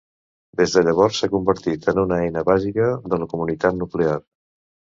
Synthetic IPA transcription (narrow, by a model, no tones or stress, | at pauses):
d̪ezðəʎəβ̞ɔrsːakumbəɾt̪it̪ənunəɛjnəβazikəðələkumunit̪at̪nuklear